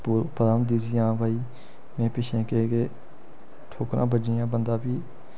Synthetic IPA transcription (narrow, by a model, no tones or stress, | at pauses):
ppəd̪aːnd̪iːsiːãːbʱaːiː | mẽːpɪʃẽːkeːkeː | ʈʰoːkɾʔã̰ːbəd͡ʒiːãːbənd̪aːbiː